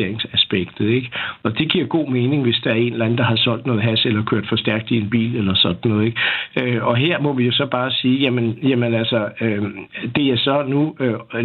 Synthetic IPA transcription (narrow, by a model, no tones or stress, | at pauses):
eɐ̰eŋsæsb̥eɡ̥d̥ð̩ˠeɡ̥ɒ̽d̥e̝ɡ̥iɐ̰ɡ̥o̝̰ːme̝ːne̝ŋʋe̝sd̥ɑ̈æɐe̝ːnlæn̩d̥ɑ̈ɦɑ̈sɒ̽l̰d̥nɔ̽ːð̩ˠɦæselɐkʰøɐ̰d̥fɒ̽sd̥æɐ̰ɡ̥d̥ie̝nb̥ḭːlelɐsɒ̽d̥n̩ːɔ̽ːð̩ˠe̝ɡ̥øɒ̽ɦe̝ɐ̰mɒ̽ʋijo̝sɒ̽b̥ɑ̈ːsiːjæmenjæmenælsɐød̥e̝jasɒ̽nuø